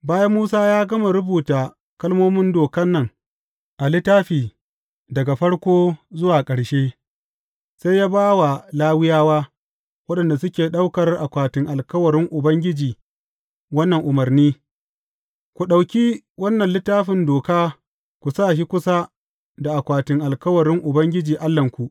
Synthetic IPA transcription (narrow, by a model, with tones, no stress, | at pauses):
baː˦jɐ˦mːuː˦saː˦jaː˦ɡɐ˦ma˨ɾʊ˦buː˨taː˨ | kɐ˦lmoː˦mɪ˦ndoː˨kɐ˦nːɐ˦ŋ | ʔa˨lɪ˦taː˦ɸiː˨ | dɐ˨ɡa˨ɸɐ˦ɽkʷoː˦zʊ˦waː˨kʼɐ˨ɽʃeː˦ | sa˦jaː˦baː˦wa˨laː˦wɪ˦jaː˦waː˦ | wɐ˦ɗɐ˨nda˨sʊ˦kʲeː˨ɗa˦wkɐ˨rʔa˨kʷaː˨tɪ˨ŋʔa˨lkɐ˦wɐ˨ɾɪ˦ŋʔʊ˨bɐ˦ŋɡʲɪ˦d͡ʒiː˨ | wɐ˦nːɐ˨ŋʔʊ˨mɐ˨rniː˦ | kʷu˨ɗa˨wkʲi˦ | wɐ˦nːɐ˨nlɪ˦tːaː˦ɸɪ˨ndoː˨kaː˦ | kʷu˨saː˦˨ʃ̬i˦kʷʊ˦sa˦ | da˨ʔa˨kʷaː˨tɪ˨ŋʔa˨lkɐ˦wɐ˨ɾɪ˦ŋʔʊ˨bɐ˦ŋɡʲɪ˦d͡ʒiː˨ʔa˦lːɐ˨ŋkʷu˨ʔ